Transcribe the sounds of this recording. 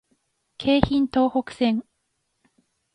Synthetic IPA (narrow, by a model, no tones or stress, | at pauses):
kʰe̞ːçĩnt̪o̞ːhokɯ̟̥sẽ̞ŋ